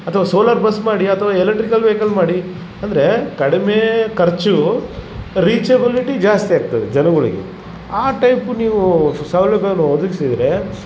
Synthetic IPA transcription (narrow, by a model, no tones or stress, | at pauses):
ɐt̪ʰɐʋaːso̞ːlaɾbɐsmaːɽiɐt̪ʰɐʋaːelɐk̚ʈɾikɐlʋeːkɐlmaːɽi | ɐnd̪ɐɾe̞kɐɽimeːkɐɾt͡ʃu | ɾiːt͡ʃebiliʈid͡ʒaːst̪ijaːɡ̚t̪ɐd̪ed͡ʒɐnɐɡuɭḭɡḛ | aːʈɐjpuniːʋusɐʋloɡɐɐnuod̪uɡisid̪ɾe̞